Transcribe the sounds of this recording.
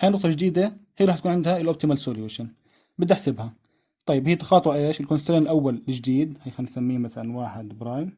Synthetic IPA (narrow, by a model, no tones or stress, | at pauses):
hajnʊq̚t̪ˤɑd͡ʒd̪iːd̪ahiːɾˤɑːħt̪akuːnʕɪnd̪haɪlʔob̚t̪ɪmalsoːliweʃan | bɪd̪ːaħsɪbha | t̪ˤɑjːɪbhiːt̪ɑ̥xɑːt̪ˤwʔeːʃɪlkonst̪ɾeːnɪlʔawːalːɪd͡ʒd̪iːd̪hajxannsamːiːmaθalanwaːħɪd̪bɾˤɑːjɪm